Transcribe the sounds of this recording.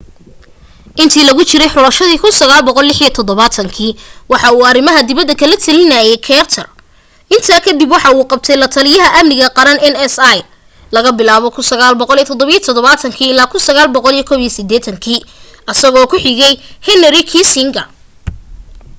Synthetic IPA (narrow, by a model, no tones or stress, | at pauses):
ʔɪnt̪ʰiːlɐɣʊt͡ʃɪɾɛjħʊlɐʃɐðiːkʰʊnsɐɣaːlbɔqɔlːɪħijɐt̪ʰɔd̪ɔβaːt̪ʰɐŋkʰiːwɑħɑuːɐrɪmɐɦɐd̪ɪβɐd̪ɐkʰɐlɐt̪ʰɐlɪnajɛjkʰɛrt̪ʰɐr | ʔɪnt̪ʰaːkʰɐd̪ibwɑħɑuːqɑb̚t̪ʰɛjlɐt̪ʰɐlɪjɐɦɐʔɐmnɪɣɐqɑɾɐnɛnɛsɐj | lɐɣɐbɪlaːβɔkʰʊnsɐɣaːlbɔqɔlijt̪ʰɔd̪ɔβijɔt̪ʰɔd̪ɔβaːt̪ʰɐŋkʰiːɪlaːkʰʊnsɐɣaːlbɔqɔlijkʰɔːβijɐsɪd̪ɛːt̪ʰɐŋkʰiː | ɐsɐɣɔːkʰʊħɪɣɛjhɛnɐɾɪkʰiːsɪŋɡɐ